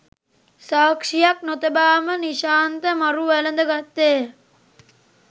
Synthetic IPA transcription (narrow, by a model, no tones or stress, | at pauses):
saːkʂijak̚not̪ebaːməniʃaːnt̪əmaɾuʋælənd̪əɡat̪ːeː